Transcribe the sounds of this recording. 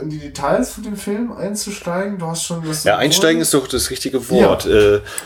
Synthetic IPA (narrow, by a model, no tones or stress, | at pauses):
ʔɪndiːdetʰaɪlsfɔndeːmfɪlmʔa̰ɪnt͡suʃtaɪɡŋ̩duːhastʃoːnvajaːʔaɪnʃtaɪɡŋ̩ɪstd̥ɔχd̥asʁɪçtɪɡəvɔɐtʔɛː